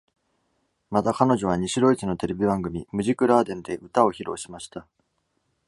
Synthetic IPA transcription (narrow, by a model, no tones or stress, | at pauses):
mat̪akano̞ʑo̞β̞aɲ̟iɕiɾo̞it͡sɨno̞t̪e̞ɾe̞bʲibãŋɡɯ̟mʲimɯ̟ʑikɯ̟ɾaːd̪ẽ̞nd̪e̞ʔɯ̟t̪ao̞çiɾo̞̰ːɕimaɕi̥t̪a